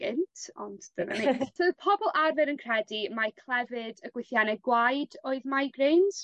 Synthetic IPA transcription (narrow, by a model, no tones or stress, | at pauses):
ɪntʰɔ̰nddəvɛ̰mitʰəpʰɔbɔlˠʔarvɛɾənkʰrɛdimajkʰlˠɛvɨdəɡ̥wɪθjanɛɡwajdoːɨðmajɡreːnz̥